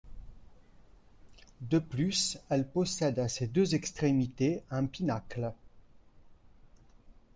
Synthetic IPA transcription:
d̪əplysɛlpɔsɛd̪ased̪øzɛkst̪χemit̪eɛ̃pinakl

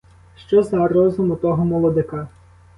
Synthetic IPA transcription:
ʃt͡ʃɔzɐɾɔzʊmʊt̪ɔɦɔmɔlˠɔd̪ɪkɑ

